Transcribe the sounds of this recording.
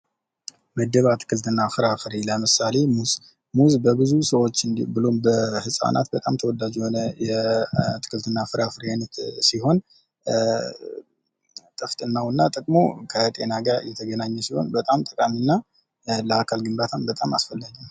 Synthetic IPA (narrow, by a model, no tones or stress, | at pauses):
məd̪ːəβat̪ʰɨ̥kʰɨlt̪ʰɨnːafɨɾafɨɾeləmɨsale̞muz | muzbəbɨzusəwo̞t͡ʃːɨnbɨlombəhɨsʼa̰nʔa̰t̪̚bət̪ʼamt̪ʰəwɔd̪ad͡ʒɛho̞nəjɛt̪ʰɨ̥kʰɨlt̪ʰɨnːafɨɾafɨɾanət̪siho̞n | t̪ʼɨft̪ʼɨnːawɨnːat̪ʼəkʼmo̰kʰət̪ʼe̞naɡaɾjɛt̪ʰəɡənaɲːɛsiho̞̰nbət̪ʼamt̪ʼəkʼaminːa | ləakʰalɡɨnbat̪ʰambət̪ʼama̰sfəlːaɡəm